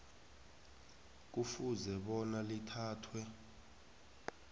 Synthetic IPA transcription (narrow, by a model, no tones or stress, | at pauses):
k̬ufuzɛɓɔnalitʰaːtʰwɛ